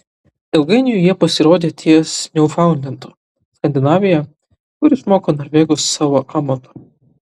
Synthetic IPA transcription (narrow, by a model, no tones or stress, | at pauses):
ɛʊɡɐɪnʲɪjʊjiɛpɐsʲɪɾoːd̪ʲeːt̪ʰʲiɛsnʲɛʊfɑˑʊnʲd̪ʲɛnt̪uː | skɐnʲd̪ʲɪnɑːʋʲɪjɛ | kʊɾʲɪsmoːkoːnoːɾʲʋʲeːɡosːɑːʋoːʔɑːmot̪o̥